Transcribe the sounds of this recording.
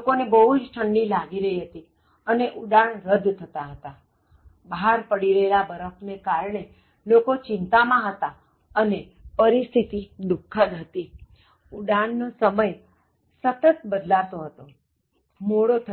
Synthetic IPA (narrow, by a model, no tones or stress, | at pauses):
okonebəɦud͡ʒʈʰəɳɖilaɡiɾəɦiɦət̪i | əneʔuɖaɳɾəd̪t̪ʰət̪aɦət̪a | baɦaɾpəɽiɾelabəɾəfnekaɾɳe | lokot͡ʃɪnt̪amãɦət̪a | əne | pəɾist̪ʰit̪id̪ukʰːənɦət̪i | uɖaɳːosəməj | sət̪ət̪̚bəd̪laʋt̪oɦət̪o | moɽot̪ʰə